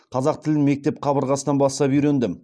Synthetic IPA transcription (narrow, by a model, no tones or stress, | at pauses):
qʰɑzɑq̚t̪ʰɪlɪnme̞k̚t̪e̞p̚qʰɑbəɾʁɑsənɑnbɑst̪ɑpijɾend̪ɪm